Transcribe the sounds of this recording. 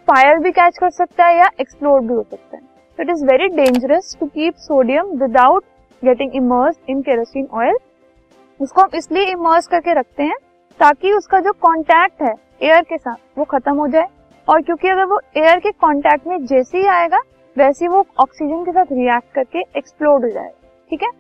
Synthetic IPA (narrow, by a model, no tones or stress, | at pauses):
faːɪəɾbʱikɛːt͡ʃkɐɾsɐk̚t̪aɦɛjaʔeksploːɾbʱiɦoːsɐk̚t̪a̰ɦɛ | t̪oɪʈɪzʋɛɾiɖẽːɲd͡ʒəɾəsʈukiːpsoːɖijə̃mʋɪd̪aʊʈ̚ | ɡɛʈɪ̃ŋɡɪməːɾsɖɪ̃nkɛːɾəsiːnɔːɪl | ʊskoɦɐ̃mɪslieɪməːɾskɐɾkeɾɐk̚ʰt̪eɦɛ̃ | t̪aːkiʊskad͡ʒoːkɔ̃ːɳʈɛːk̚ʈɦɛː | eːəɾkesaːt̪̚ʰʋoxɐt̪əmɦod͡ʒaːe | ɔːɾkjõːkiɐɡəɾʋoeːəɾkekɔ̃ːɳʈɛːk̚ʈmẽd͡ʒɛːseɦiaːeːɡaː | ʋɛːseiʋoɔːksid͡ʒənkes̬aːt̪ʰɾiɛːk̚ʈ̚kɐɾkeeksploːɾɖɦod͡ʒa̰ːḛɡa | ʈʰiːkɦɛː